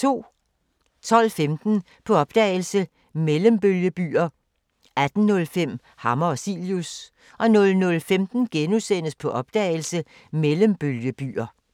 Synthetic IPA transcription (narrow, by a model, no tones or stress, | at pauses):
t͡sʰo̝̰ː | t͡sʰɒ̽l̰femd̥n̩ | pʰɒ̽ɒ̽b̥̚d̥ɛ̰ːɪl̩sə | meləmb̥øljəb̥y̰ːɐ | æd̥n̩ːɔ̽lfem̰ | hɑ̈mɐɒsḭljus | ʔɒ̽nɔ̽lnɔ̽lfemd̥n̩ɡ̥enusen̰əspʰɒ̽ʔɒ̽b̥̚d̥ɛ̰ːɪl̩sə | meləmb̥øljəb̥y̰ːɐ